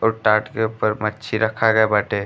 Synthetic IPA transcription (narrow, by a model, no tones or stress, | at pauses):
ɔːɾʈaːʈkeupəɾmətːt͡ʃʰiɾəkʰaɡəebaːʈe